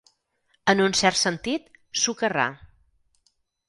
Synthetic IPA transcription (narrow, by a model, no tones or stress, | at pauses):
ənunsɛɾt̪sənt̪it̪sukəra̰